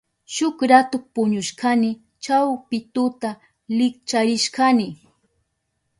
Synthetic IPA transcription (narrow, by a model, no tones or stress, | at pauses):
ʃʊkɾat̪ʊk̚pʊɲʊʃkanɪ | t͡ʃawpɪt̪ʊt̪a | lɪk̚t͡ʃaɾɪʃkanɪ